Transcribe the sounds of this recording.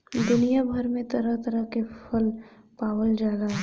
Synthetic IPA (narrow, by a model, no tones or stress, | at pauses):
d̪ʊnijabʱɐɾmẽt̪ɐɾat̪ɐɾakepʰɐl | paːwəld͡ʒaːlaɦ